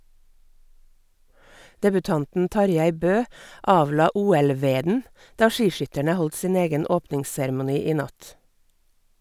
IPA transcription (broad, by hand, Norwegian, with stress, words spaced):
dɛbʉˈtɑntn̩ ˈtɑɾˌjæɪ ˈbøː ˈɑːʋˌlɑː ˈuːɛlˌʋeːdn̩ ˈdɑː ˈʃiːˌʃʏtəɳə ˈhɔlt ˈsiːn ˈeːɡən ˈoːpnɪŋssɛɾmʊˌniː ˈiː ˈnɑt